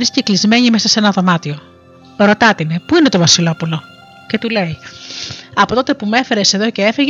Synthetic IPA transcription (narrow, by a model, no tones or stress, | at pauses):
oɾisceklizme̞ɲimesɐse̞nɐðo̞mɐt̪io̞ | ɾo̞t̪ɐt̪inepuine̞t̪o̞vɐsilo̞pulo̞ | ce̞t̪ule̞i | ɐpo̞t̪o̞t̪e̞pume̞fe̞ɾe̞seðo̞ce̞efeʝ